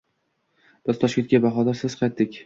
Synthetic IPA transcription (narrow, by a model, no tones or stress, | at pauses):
b̥ɪz̥t̪ʰɒʃkʲet̪̚ʲkʲabaχɒd̪aɾsɪz̥qʰɑjt̪dɪkʲ